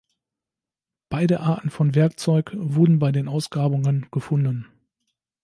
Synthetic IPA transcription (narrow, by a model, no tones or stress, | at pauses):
b̥aɪdəʔaːɐtn̩fɔnvɛɐk̚t͡sɔʏkvʊɐdn̩baɪdeːnʔaʊsɡ̥ʁaːbʊŋənɡ̥əfʊndn̩